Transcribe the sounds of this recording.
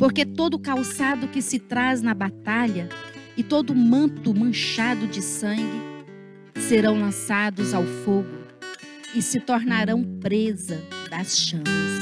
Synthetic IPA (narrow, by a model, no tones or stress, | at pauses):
poɾket̪od̪ʊkawsad̪ʊkɪsɪt̪ɾaznɐbat̪aʎɐɪt̪od̪ʊmɐ̃t̪ʊmɐ̃ʃad̪ʊd͡ʒɪsɐ̃ŋɡɪ | seɾɐ̃w̃lɐ̃sad̪ʊzawfoɡʊ | ɪsɪt̪oɾnaɾɐ̃w̃pɾezɐd̪ɐsʃɐ̃mɐs